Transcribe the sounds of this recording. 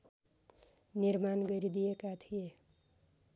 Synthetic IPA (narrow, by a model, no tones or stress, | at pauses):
nirmanɡʌɾid̪ijekat̪ʰije